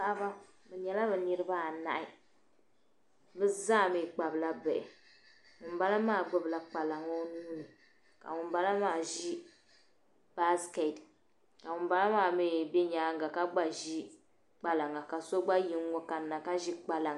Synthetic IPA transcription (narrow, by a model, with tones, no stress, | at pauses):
a˦ba˦ | bɛ˨ɲɛ˨la˦bɛ˨nɨ˦ɾɨ˦ba˦a˨na̰˨ʔɪ˦ | bɨ˦zaː˦˨mi˨k͡pa˨bɨ˨la˦bɨ˨ʔɪ˨ | ŋʊ˨m̩˦ba˦la˦maː˦˨ɡ͡bʊ˨bla˨k͡pa˨la˨ŋa˦o˦nuː˦nɨ˨ | ka̰˨ŋʊ˨m˦ba˦la˦maː˦˨ʒi˦ | b̥a˦ske˨d | ka˨ŋʊ˨mba˦la˦maː˦˨mi˦bɛ˦ɲaː˨˦ŋ˦ɡa˨ka˦ɡ͡ba˨ʒi˦ | k͡pa˨la˨ŋa˨ka˨so˦ɡ͡ba˦ji˦ŋː˦o˦ka˨nːa˨ka˦ʒi˦k͡pa˨la˨ŋ˦